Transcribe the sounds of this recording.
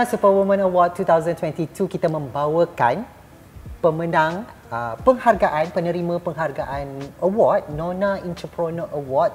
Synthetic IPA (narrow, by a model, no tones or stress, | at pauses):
supɔwɔmə̃nəwɔd̚tːut̪awzə̃nt̪wɛ̃ntitukit̪amə̃mbawəkan | pəmə̃ndãŋ | əpəŋharɡaʔanpənə̃ɾimãpəŋɦarɡaʔanəwɔd̚nɔ̃nãint̪əpɾonoʔəwɔd̚